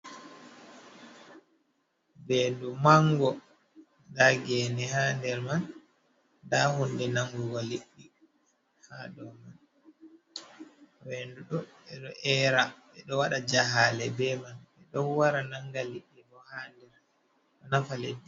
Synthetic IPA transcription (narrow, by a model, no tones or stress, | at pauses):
bɛndumaŋɡɔ | ndaɡɛnɛhaːndɛɾman | dahundɛnaŋɡuɡɔliɗːi | haːɗɔman | wenduɗɔɓɛɗɔʔɛːɾaɓɛɗɔwaɗad͡ʒaɦalɛbɛmanɓɛɗɔwwaɾanaŋɡaliɗːiɗɔhandɛɾ | ɗɔnafaledːi